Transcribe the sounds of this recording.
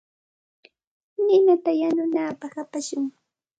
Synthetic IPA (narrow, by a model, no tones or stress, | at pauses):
nɪnat̪ajanʊnaːpahapaʃʊŋ